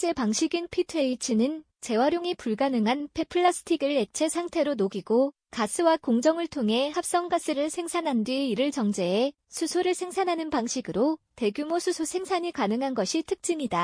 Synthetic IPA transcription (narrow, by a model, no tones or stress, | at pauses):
t͡ɕ͈e̞paŋɕʰiɡinpʰitʰɯeit͡ɕʰɯnɯn | t͡ɕe̞waɾjoŋipuɭɡanɯŋɦanpʰe̞pʰɯɭːas͈ʰɯ̥tʰiɡɯɭe̞t͡ɕʰe̞sʰaŋtʰe̞ɾonoɡiɡo | kas͈ʰɯwakoŋd͡ʑʌŋɯɭtʰoŋɦe̞hap̚s͈ʌŋɡas͈ɯɾɯɭsʰe̞ŋsʰanɦandɥiiɾɯɭt͡ɕʌŋd͡ʑe̞ː | sʰusʰoɾɯɭsʰe̞ŋsʰanɦanɯnpaŋɕʰiɡɯɾote̞ɡjumosʰusʰosʰe̞ŋsʰaɲikanɯŋɦanɡʌɕʰitʰɯk̚t͡ɕ͈iɲida